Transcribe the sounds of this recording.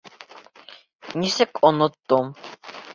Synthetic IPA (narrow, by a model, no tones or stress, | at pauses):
nisɛkʼɔnɔt̪ʼːɔm